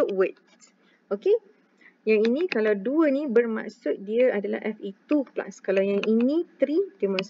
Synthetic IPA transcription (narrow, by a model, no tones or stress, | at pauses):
wit̪ | oke | jaŋinĩkalawduənĩbərma̰ʔsʊt̪̚diəadala̰hʔɛfit̪upla̰skalawjaŋʔinĩt̪ɾidemɔ̃ns